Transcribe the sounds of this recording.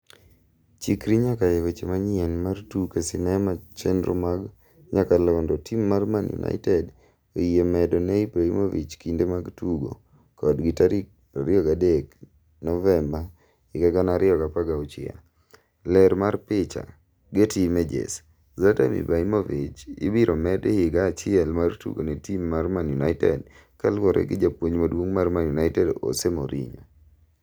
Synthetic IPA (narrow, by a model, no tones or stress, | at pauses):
t͡ʃikɾiɲakajewet͡ʃemaɲɪɛnmartukesinɛmat͡ʃɛndɾo̰maɡ | ɲakalɔndɔtimːarmanjṵnʔa̰ɪtɛd | oiemɛdɔneipɾaimovḭt͡ʃkindemaɡtuɡo̰ | kɔdɡitaɾi | a̰ɾɪɔɡadek | nɔvɛmba | ɪɡaɡanaɾɪɔkapaɡaɔt͡ʃɪ̰a̰ | lɛɾmarpɪt͡ʃa̰ | ɡetimɛd͡ʒḛs | zatamḭbaimovit͡ʃɪ̰biɾomɛdɪɪɡaːt͡ʃɪɛlmartṵɡo̰netimːarmanjunaɪtɛ̰d | kalwɔɾɛ̰ɡɪd͡ʒapwoɲmadwoŋmarmanjunaɪtɛdɔ̰semoɾḭɲɔ